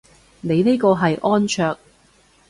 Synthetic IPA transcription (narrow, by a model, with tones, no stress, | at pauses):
ne˨˧jne˥jkɔː˧ɦɐ˨jʔɔː˥nt͡ʃʰœː˧k̚